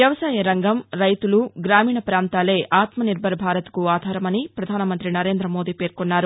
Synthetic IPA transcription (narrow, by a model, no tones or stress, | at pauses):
ʋjɐʋɐsaːjɐɾɐŋɡɐmɾɐjt̪uluɡɾaːmiːɳɐpɾaːnt̪aːle̞ːʔaːt̪mɐniɾbʱɐɾɐbʱaːɾɐt̪ɐ̥kuaːd̪ʱaːɾɐmɐnipɾɐd̪ʱaːnɐmɐnt̪ɾinɐɾe̞ːnd̪ɾɐmo̞ːd̪iːpe̞ːɾkonːaːɾu